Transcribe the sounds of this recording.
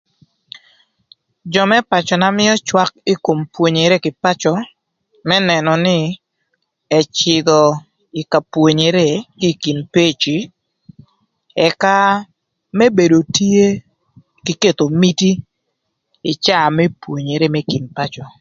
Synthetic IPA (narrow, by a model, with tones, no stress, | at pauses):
d͡ʒɔ˨mɛ˦pa˨t͡ʃɔ˨na˦mɪ˦ɔ˦t͡ʃwa˦k̚i˦ko˨mpwo˨ɲe˨ɾe˦kɪ˨pa˦t͡ʃɔ˨ | mɛ˦nɛ˨nɔ˨nɪ˦ | ɛ˨t͡ʃɪ˨ɡɔ˨ | ɪ˨ka˨pwo˨ɲe˨ɾe˦ki˦ki˨npe˦t͡ʃi˨ | ɛ˨ka˦ | mɛ˦be˨do˨ti˦e˦ | kɪ˦ke˦t̪o˨mi˦ti˦ | ɪ˨t͡ʃa˦˨mɛ˦pwo˨ɲe˨ɾe˦mɛ˦ki˨npa˦t͡ʃɔ˨